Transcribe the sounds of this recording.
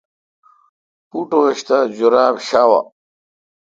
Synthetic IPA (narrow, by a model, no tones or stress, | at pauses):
puʈoeɕt̪ad͡ʑuɾaːbɕaːwa̰